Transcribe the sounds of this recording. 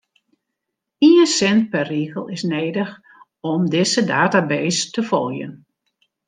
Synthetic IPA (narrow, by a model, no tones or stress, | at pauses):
iənsɛnt̚pɛrriːɣəlˠɪsneːdəx | ɔmdɪsədaːtabeːstəfɔ̰lˠjə̰n